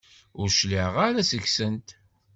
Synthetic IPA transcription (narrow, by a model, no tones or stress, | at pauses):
ʊɾʃliʁaɾasəçsənt̪